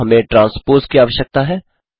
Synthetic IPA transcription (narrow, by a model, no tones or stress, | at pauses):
ɦɐmẽʈɾãːnspoːɾskiaːʋəʃjək̚t̪aɦɛː